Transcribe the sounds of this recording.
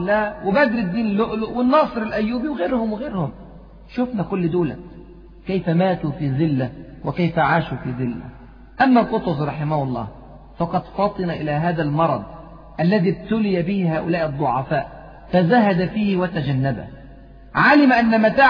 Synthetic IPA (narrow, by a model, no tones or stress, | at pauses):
lːæːwɪbæd̪ɾid̪ːiːnlːoʔlʊʔwɪnːɑːsˤɨɾɪlʔæjːuːbiwɪɣeːɾhʊmwɪɣeːɾhʊm | ʃʊfnækʊlːɪd̪oːlæ̰ | kæjfæmæːt̪ufiːzɪlːæ | wɪkæjfæʕaːʃufiːzɪlːæ̰ | ʔæmːælqot̪ˤʊzɾˤɑħɪmæhʊlˤːɑ̰ː | fɑqɑd̪fɑt̪ˤɨnaʔɪlæːɦaːðælmɑɾˤɑ̰d̪ˤ | ʔælːæðiːb̚t̪ʊlɪjæbɪhhaːʔʊlæːʔɨd̪ˤːoʕɑfaːʔ | fæzæhæd̪æfiːhwæt̪æd͡ʒænːæbæ̰ | ʕalɪmʔænːæmæt̪aː